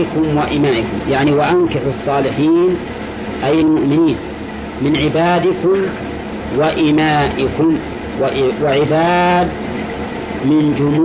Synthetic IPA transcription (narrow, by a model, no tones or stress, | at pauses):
ɪkʊmwaʔɪmaːʔɪkʊmjaʕniwaʔankɪħɑsˤːɑːlɪħiːn | ʔajalmʊʔmɪniːn | mɪnʕɪbaːd̪ɪkʊm | waʔɪmaːʔɪkʊm | wʔwaʕɪbaːd̪ | mɪnd͡ʒʊm